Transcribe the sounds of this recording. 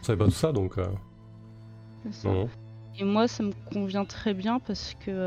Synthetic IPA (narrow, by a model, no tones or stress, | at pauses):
savɛpat̪u̥sad̪ɔ̃kø̰ | sesaɔ̃ | emwasaməkɔ̃vjɛ̃t̪χɛbjɛ̃paʁsə̥kʲʰə